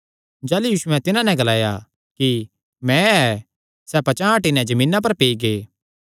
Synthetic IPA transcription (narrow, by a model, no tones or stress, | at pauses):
d͡ʒɛːlujuːʃʊɛ̃t̪ɪnãnɛ̃ɡɐlaːja̰ | ki | mɛ̃ɛ | sɛpɐt͡ʃãːaʈinɛ̃d͡ʒɐmĩːnap̬ɐɾpeːiɡeː